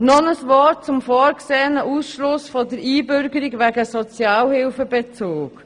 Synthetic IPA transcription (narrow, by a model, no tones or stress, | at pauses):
nɔnəsvɔt̚t͡sʊmfɔːɾkseːənəʔusʃlʊsfɔdəɾiːbʏɾɡəɾiɡʋæɡəsɔt͡sjɑːlhɪlfəbet͡soːk